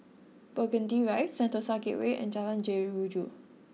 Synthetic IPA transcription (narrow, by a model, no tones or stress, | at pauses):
bəɡə̃ndiɹajtsɛ̃ntəsaɡɪ̰ʔweʔɛ̰̃nd͡ʒalãnd͡ʒɛɹiɹud͡ʒu